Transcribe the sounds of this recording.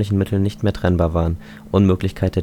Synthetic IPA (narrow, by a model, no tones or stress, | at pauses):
lɪçn̩mɪtʰl̩nɪçtmeːɐtʁ̥ɛnbaːɐvaːʁən | ʔʊnmøːklɪçkʰaɪt̚d̥e